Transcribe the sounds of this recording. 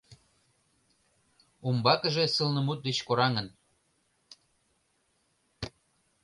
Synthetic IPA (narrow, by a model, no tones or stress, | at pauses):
umbɑkə̆ʒĕsəlnə̆mut̪̚d̪et͡ɕkoɾɑŋən